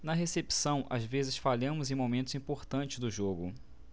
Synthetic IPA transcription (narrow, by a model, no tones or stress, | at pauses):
nɐɦesepsɐ̃w̃ʔa̰zvezɪsfalɐ̃mʊzẽj̃momẽnt̪ʊzĩpoɾt̪ɐ̃nt͡ʃɪ̥zd̪ʊʒoɡʊ